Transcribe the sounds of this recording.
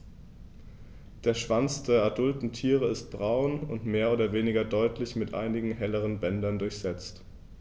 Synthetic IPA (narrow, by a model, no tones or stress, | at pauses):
d̥eːɐʃv̥ant͡sd̥eːɐʔadʊltn̩tʰiːʁ̞əɪst̚b̥ʁaʊnʊntmeːɐʔoːdɐveːnɪɡɐdɔʏtlɪçmɪtʔa̰ɪnɪɡŋ̩ɦɛləʁ̞ənbɛndɐndʊɐçz̥ɛt͡st